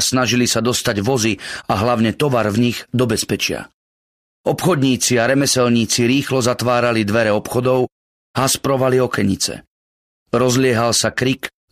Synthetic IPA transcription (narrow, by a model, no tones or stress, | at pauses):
snaʒilisad̪ɔst̪aɟʋɔziaɦlaʊɲɛt̪ɔʋaɾvɲiɣd̪ɔbɛspɛt͡ʃɪa̰ | ɔpxɔd̪ɲiːt͡siaɾɛmɛsɛlɲiːt͡siɾiːxlɔzat̪ʋaːɾalid̪ʋɛɾɛɔpxɔd̪ɔʊ | haspɾɔʋaliɔkɛɲit͡sɛ̰ | ɾɔzlɪɛɦalsakɾik